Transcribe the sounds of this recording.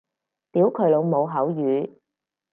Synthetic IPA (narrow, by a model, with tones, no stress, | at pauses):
t̪iː˨˥wkʰɵ˨˧ɥlo˨˧wmo˨˧wɦɐ˨˥wjyː˨˧